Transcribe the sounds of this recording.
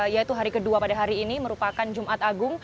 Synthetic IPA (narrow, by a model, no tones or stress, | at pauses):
jait̪uɦaɾikəduapadaɦaɾiːniməɾupakand͡ʒumʔat̪aɡʊŋ